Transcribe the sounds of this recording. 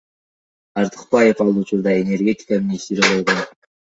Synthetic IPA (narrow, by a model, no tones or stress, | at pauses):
ɑɾt̪ʰɨ̥qpɑjefɑlˠut͡ʃuɾd̪ɑe̞nʲe̞rɡʲe̞t̪ʲɪ̥kamʲinʲist̪iɾalojʁo